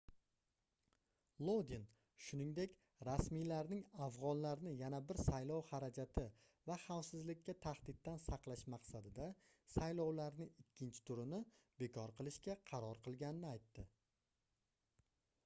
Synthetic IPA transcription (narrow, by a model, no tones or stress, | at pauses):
lˠod̪in | ʃʊnɪŋd̪e̞kʲ | ɾasmilaɾnɪŋafʁɒnlaɾnɪjanabɪɾsajlɒwhaɾad͡ʒat̪ʰɪ | vaχawsɪzlɪkʲʰːat̪ʰaχd̪ɪt̪̚ːansɑqlˠaʃmɑqsad̪ɪd̪a | sajlɒwlaɾnɪɪkʲʰːɪnt͡ʃʰɪ̥t̪ʰʊɾɪnɪbe̞kʰɒɾqʰɨlˠɪʃkʲaqʰɑɾɒɾqʰɨlˠɡʲanɪnɪajt̪ːɪ